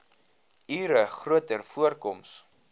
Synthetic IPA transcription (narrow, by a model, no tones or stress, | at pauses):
iːɾəχruətərfuərkɔms